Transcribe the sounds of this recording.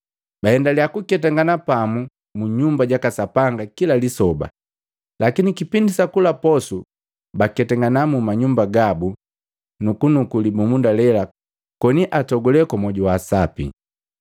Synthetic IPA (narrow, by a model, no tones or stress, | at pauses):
bahɛndaliakukɛtaŋɡanapamu | muɲumbaɟakasapaŋɡakilalisɔba̰ | lakinikipindisakulapɔsu | bakɛtɛŋɡanamumaɲumbaɡabu | nukunukulibumundalɛla | kɔniʔatɔɡɔlɛkɔmɔɟuwaːsapḭ